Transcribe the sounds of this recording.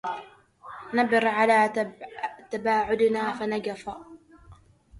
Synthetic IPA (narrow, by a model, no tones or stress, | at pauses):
nabɨɾʕalaː | t̪abaːʕʊd̪naːfanaɡafa